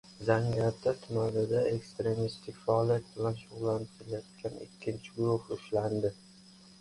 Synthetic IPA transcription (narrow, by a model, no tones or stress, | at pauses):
zaŋɡʲt̪ʰːat̪ʰʊmanɪd̪ae̞kst̪ɾe̞mist̪ʰɪkʲfaɒlijat̪̚bɪlanʃʊʁlˠːanɪt̪ʰɪlajɒt̪̚kʲʰanɪ̰kʲʰːɪnt͡ʃʰɪɡʊɾʊhʊʃland̪ɪ